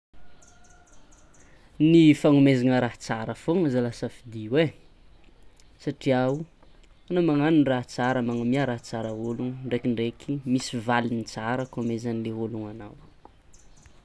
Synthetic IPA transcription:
nifaŋumezaŋəɾaɦt͡saɾəfoŋəzalasəfid̪iwe | saʈ͡ʂiau | anamaŋaninraɦt͡saɾəmaŋamiaɾaɦt͡saɾəoluŋɳɖ͡ʐekiɳɖ͡ʐekʰimisivalinit͡saɾəkamezanileɦoluŋanaw

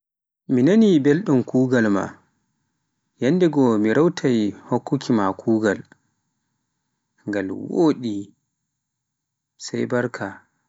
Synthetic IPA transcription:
minanibelɗumkuːɡalma̰ | janːdɛɡɔmiɾawtʰajhokːukʰimakʰuːɡal | ŋɡalwoːɗi | sajbaɾkʰa

